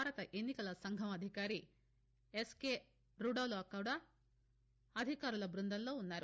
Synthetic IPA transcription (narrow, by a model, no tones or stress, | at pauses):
aːɾɐt̪ɐʔenːikɐlɐsɐŋɡʱɐmɐd̪ʱikaːɾi | eskeː | ɾuɽoːloːkɐwɽɐ | ɐd̪ʱikaːɾulɐbɾund̪ɐnllo̞ːunːaːɾu